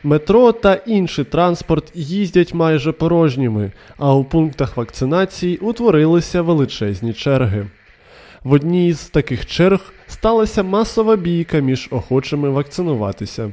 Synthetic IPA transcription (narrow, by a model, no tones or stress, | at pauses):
met̪ɾɔt̪ɐʔinʃɪjt̪ɾɑnspɔrt̪jizʲdʲɐtʲmɑjʒɛpɔɾɔʒnʲimɪɐwpunkt̪ɐxʋɐkt̪sɪn̪ɑt͡sʲijiʔut̪ʋɔɾɪlˠɪsʲɐʋelˠɪt͡ʃɛzʲnʲit͡ʃɛrɦɪ | ʋɔdʲnʲiːzt̪ɐkɪxt͡ʃɛrɣst̪ɑlˠɐsʲɐmɑsɔʋɐbʲijkɐmʲiʒɔxɔt͡ʃɐmɪʋɐk̚t̪sɪnʊʋɑ̰t̪ɪsʲɐ